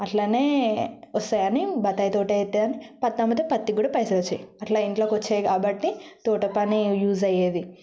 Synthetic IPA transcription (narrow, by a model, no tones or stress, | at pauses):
ɐʈlaːneːɔst̪ɐjɐnibɐt̪ːaːjt̪oːʈɐjet̪ːeɐnipɐt̪ːamɐt̪epɐt̪ːiɡuːɽɐpɐjsɐɾɐt͡ʃːɐjɐʈlaːiɳʈloːkot͡ʃːeːkaːbɐʈːit̪oːʈɐpɐnijuːzɐjeːd̪i